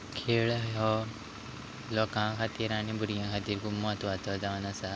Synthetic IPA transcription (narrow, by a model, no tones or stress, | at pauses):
kʰeːɭɦɔ | lɔkãːkʰat̪iɾaːnibuɾijãkʰat̪iɾkumːat̪uat̪ɔd̪anasa